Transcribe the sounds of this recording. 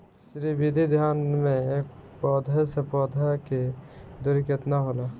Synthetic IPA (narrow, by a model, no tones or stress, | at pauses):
ʃɾibid̪ʱid̪ʱjaːnmẽeːk̚pɔːd̪ʱəsepɔːd̪ʱəked̪ʊɾɪkət̪naɦoːla